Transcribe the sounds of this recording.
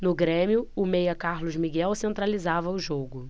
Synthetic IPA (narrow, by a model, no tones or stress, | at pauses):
nʊɡɾẽmiʊʊmejɐkaɾlʊzmiɡɛwsẽnt̪ɾalizavɐʊʒoɡʊ